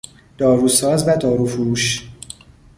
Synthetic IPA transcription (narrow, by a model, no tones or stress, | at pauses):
d̪̥ɒːɾusɒːzbæt̪ʰɒːɾufuːʃ